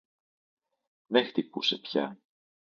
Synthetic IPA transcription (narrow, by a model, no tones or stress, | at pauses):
next̪ipuse̞pçɐ̰